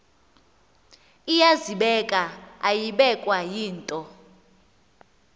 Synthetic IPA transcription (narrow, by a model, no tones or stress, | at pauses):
ijaziɓɛkʼaajiɓɛkʼwajiːntʼɔ